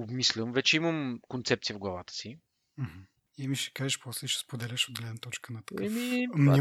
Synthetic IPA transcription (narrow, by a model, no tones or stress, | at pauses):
obmislʲəmvɛt͡ʃɛiməmkont̪sɛp̪̚siəvɡlˠɐvat̪ə̥si | m̩h̩ | imiʃɛ̥kaʒɛʃpɔslɛʃɛ̥spod̪ɛlɛʃod̪̚ɡlɛd̪nɐt̪ɔt͡ʃkənɐt̪ɛmimɛ